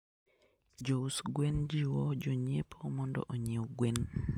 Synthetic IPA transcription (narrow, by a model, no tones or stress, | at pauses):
d͡ʒousɡwend͡ʒiwɔd͡ʒoɲepʰomɔndɔ̰ʔoɲeɔɡwen